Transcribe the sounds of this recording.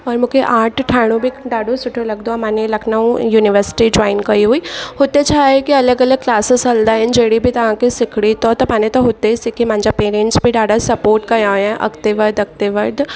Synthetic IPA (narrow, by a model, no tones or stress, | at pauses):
ɔːɾmʊkʰeʔaːʈʰʈʰaːɽ̃õbʱiɖaːɖõsʊʈʰolɐɡd̪oamanelɐkʰnaũjuːnɪʋəɾsɪ̥ʈid͡ʒɔːɪnkɐiɦuiːhoːt̪et͡ʃʰaːekiɐləɡɐləɡ̚klaːsɪsɐld̪aːɪnd͡ʒeːɽibʱit̪ɐɦãkisɪkʰɽit̪ɔt̪ɐpaːnet̪oɦoːt̪esɪkʰimãːnd͡ʒapeːɾẽːɳʈsbʱiɖaːɖasɐpoːɾʈkɐaːɛ̃ʔɐ̰kt̪eʋəɾd̪ɐk̚t̪eʋəɾd̪